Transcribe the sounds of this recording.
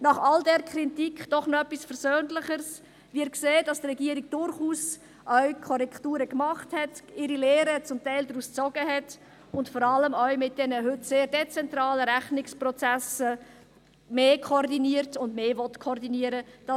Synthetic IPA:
nɑχɑldɛɾkʰɾitikd̥ɔχnoɛpːisfɛɾzøːnləχəɾs | viɪɾkseːdɑstrɛɡiəɾiɡ̚d̥ʊɾχuːs | ʔœɥkʰɔɾɛktuːɾəkmɑχthɛtɪɾileːɾət͡sʊmtɛɪldɾuːst͡sɔɡəɦɛt | ʊntfɔɾɑləmœɥmɪt̚d̥ɛnəɦʏtseːɾdɛt͡sɛntɾɑːləɾæχnɪksprɔt͡sæsə | meːkʰoɾdiniːəɾtʊndmeːvɔtkʰɔɾdiniəɾəd̥ɑ

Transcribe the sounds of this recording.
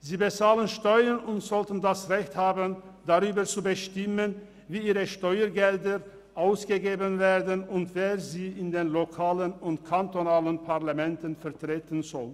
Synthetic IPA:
ziːbət͡saːlənʃtɔʏənʊntz̥ɔltn̩dasʁɛçthaːbənd̥aʁyːbɐt͡subəʃtɪmən | viːiːʁəʃtɔʏɐɡɛldə | ʔaʊsɡ̥əɡeːbənveːɐdənʊntv̥eːziːɪndeːnlokʰaːlənʊntkʰantonaːlənpʰaʁlamɛntənfɛɐtʁ̥eːtən̩zɔl

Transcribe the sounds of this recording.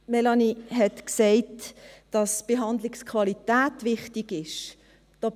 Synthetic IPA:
mɛlɑniɦɛtksɛɪtd̥ɑsb̥eɦɑndlɪkskʰvɑlitæːtʋɪχtiɡɪʃ | d̥ɔː

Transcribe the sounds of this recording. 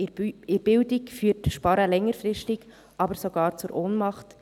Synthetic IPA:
ɪɾb̥ɪldɪkfyːtʃpɑɾəlɛŋːəɾfɾɪʃtɪɡ | ʔɑbəɾsɔɡ̥ɑːɾt͡suɾʔoːnmɑχt

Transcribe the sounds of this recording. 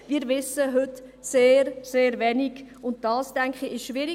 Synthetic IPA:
viːɾvɪsəɦʏtseːɾseːɾvɛniɡʊnt̚d̥ɑːstɛŋkχiɪʃʃʋɪɾi

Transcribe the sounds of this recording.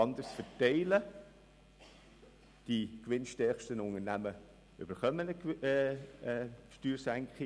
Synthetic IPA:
ɑnd̪əɾsfətɛɪlə | d̥ikʋɪnʃtɛχʃtənʊŋənæmə | ʔʏ̰b̥əɾχœmənə | ʃtyːɾsæŋkχi

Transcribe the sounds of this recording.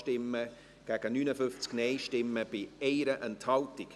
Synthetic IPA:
ʃtɪmːə | ɡ̥æːɡ̥ənyːnəfʏft͡skneɪʃtɪmːəb̥ɪɛɪɾəʔɛnthɑltɪk

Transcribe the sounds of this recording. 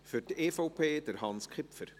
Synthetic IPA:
fʏrteːfopʰeːdəɾhɑnskʰɪpfəɾ

